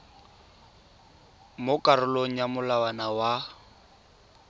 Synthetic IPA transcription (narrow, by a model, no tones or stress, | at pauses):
mʊkʼarʊloŋ̩jamʊlawanawa